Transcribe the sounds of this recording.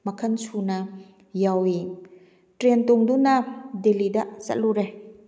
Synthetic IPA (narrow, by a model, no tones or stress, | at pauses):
mɐkʰɐnsunɐ | jawi | tɾentɔŋdunɐdelidɐzɐ̰t̚luɾe